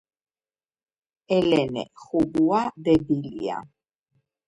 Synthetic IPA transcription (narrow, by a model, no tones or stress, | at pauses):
ɛlɛnɛ̰χuɡuad̪ɛb̪ilia̰